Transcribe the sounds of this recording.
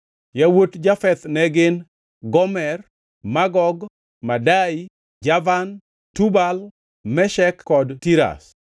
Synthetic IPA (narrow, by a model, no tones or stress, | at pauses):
jawotd͡ʒafɛt̪nɛɡɪn | ɡɔmɛr | maɡɔɡ | madai | d͡ʒavan | tubal | mɛʃɛkːɔdtiɾa̰s